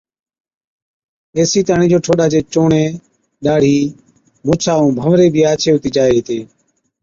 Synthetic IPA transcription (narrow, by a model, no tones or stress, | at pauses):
eːsiːt̪aːɳiːd͡ʒoːʈʰoːɗaːt͡ʃeːt͡ʃoːɳẽː | ɗaːɽ̤iː | moːt͡ʃʰaːũːbʱəʋɾeːbʱiːaːt͡ʃʰeːɦʊt̪iːd͡ʒaːeːɦt̪eː